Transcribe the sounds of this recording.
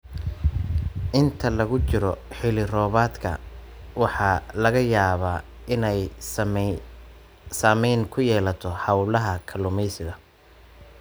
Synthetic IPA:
ʔɪnt̪ʰɐlɐɣʊt͡ʃɪɾɔħɪlɪrɔːβaːd̪kʰɐ̰ | wɑħɑːlɐɣɐjaːβaː | ɪnɛj | saːmɛjŋkʰʊjɛːlɐt̪ʰɔhɑwlɐɦɐkʰɐlʊmɛjsɪɣɐ

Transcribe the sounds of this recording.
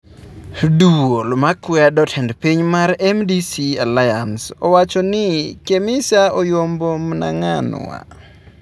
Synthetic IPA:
duwolmakwadɔtʰɛndpiɲmaɾɛmdisialajansɔwat͡ʃɔnɪkemɪsaojombomna̰ŋan̰wa̰

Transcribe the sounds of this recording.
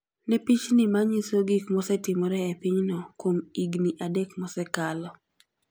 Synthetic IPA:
nɛpit͡ʃnimaɲisoɡikmɔsɛtɪmɔɾɛɛpɪɲnɔkwomiɡniʔadekmɔsɛkalɔ

